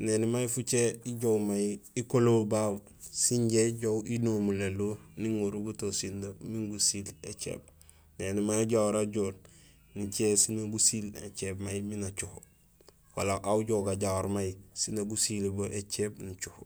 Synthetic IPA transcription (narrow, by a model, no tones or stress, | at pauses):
nenimajifut͡ʃeiɟowmajiikolowbaw | siɲɟeɟowinomuleluniŋuɾuɡutosindomiŋɡusilḛt͡ʃḛːb̚ | nenimajɟawoɾaɟoːɾ | nit͡ʃesinaɡusilḛt͡ʃebmajiminat͡ʃuh | wa̰laʔawuɟoɡaɟawoɾmajisinaɡusilboʔet͡ʃebnit͡ʃuh